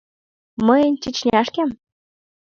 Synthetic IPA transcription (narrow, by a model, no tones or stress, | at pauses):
məjənʲt͡ɕət͡ɕnʲɑʃkem